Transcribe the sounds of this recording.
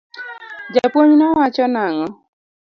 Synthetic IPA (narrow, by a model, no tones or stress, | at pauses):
d͡ʒapwoɲnɔwat͡ʃɔnaŋɔ